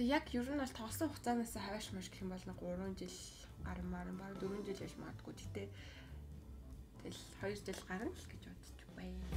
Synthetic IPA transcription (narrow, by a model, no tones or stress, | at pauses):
jakjɵɾɘ̆nɔɮt̪ʰɔʁɞ̆ɮsɞ̆ŋχʊt͡saːnaːsə̆ŋχœːʃmaʃ̆kxɘ̆mpɔɮɞ̆nɢʊɾʊːnt͡ɕiɮ | ɢaɾə̆mːaɾə̆mpaɾə̆t̪uɾɵ̆nt͡ɕiɮjaɮmɔ̰ːt̪̆ɡujt̪ʰe̥xʰt̪ʰeː | t̪ʰeɮ | χɔjɞ̆rt͡ɕiɮɢaɾə̆nɮɡet͡ɕʊːt̪ə̥̆t͡ɕpæj